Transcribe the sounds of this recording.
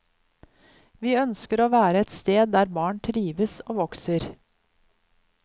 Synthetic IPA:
ʋiːœnskəɾoːʋæːɾəɛt̪st̪eːd̪̚d̪æːɾbɑːɳʈ̪ʰɾiːʋəsoːʋɔksəɾ

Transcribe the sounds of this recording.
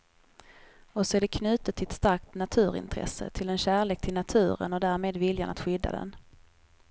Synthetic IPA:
ɔsɔæɖɛkʰnʉ̟ːt̪ət̪ʰːɪlɛt̪st̪aɾk̚t̪nat̪ʰʉ̟ːɾɪ̰nt̪ʰɾɛ̰sə̰t̪ʰɪlɛnɕæːɭeːk̚t̪ʰɪlnat̪ʰʉ̟ːɾə̰nɔd̪æːɾmeːd̪vɪlja̰na̰t̪ɧʏd̪ːa̰d̪ɛ̰n

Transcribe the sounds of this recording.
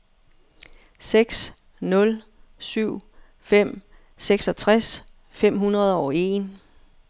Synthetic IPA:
seɡ̥s | nɔ̽l | syʊ̰ | fem̰ | seɡ̥sɒ̽t͡sʰʁas | fem̰ɦunʁɐð̞ˠɒʊe̝ːn

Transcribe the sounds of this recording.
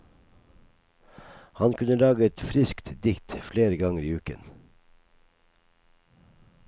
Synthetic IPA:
hɑnkʰʉnəlɑːɡəɛt̪fɾɪskt̪d̪ɪkt̪fleːɾəɡɑŋəɾiːʉːkə̰n

